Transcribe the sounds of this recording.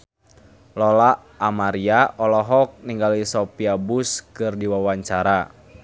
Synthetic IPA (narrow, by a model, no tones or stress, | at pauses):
lɔlaː | maɾiaʔɔlɔɦɔk̚niŋɡalisɔpiabuskɨrdiwawaɲt͡ʃaɾa